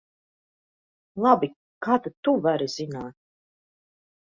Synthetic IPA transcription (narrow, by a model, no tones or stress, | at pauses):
lˠabi | kaːt̪at̪uvaɾiz̥inaːt̪̚